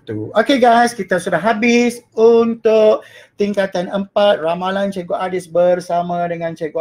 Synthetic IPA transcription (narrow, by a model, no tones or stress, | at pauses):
t̪uokeɡajskit̪asudahɦabisunt̪ʊkt̪iŋkat̪anəmpat̪̚ramalant͡ʃɛɡoʔadisbərsamãdəŋãnt͡ʃeɡo